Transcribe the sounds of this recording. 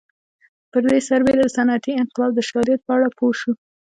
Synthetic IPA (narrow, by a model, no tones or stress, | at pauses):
pəɾd̪esaɾbelaəsanat̪iɪnqɪlɑb̚d̪əʃɑɾijat̪̚pəaɽapʰoʃu